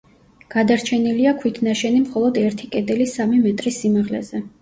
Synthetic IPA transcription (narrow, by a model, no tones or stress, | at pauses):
ɡ̥ad̪aɾt͡ʃʰɛniliakʰwit̪ʰnaʃɛnimχɔlˠɔd̪ɛɾt̪ʰikʼɛd̪ɛlisamimɛt̪ʼɾisimaʁlɛ̰zɛ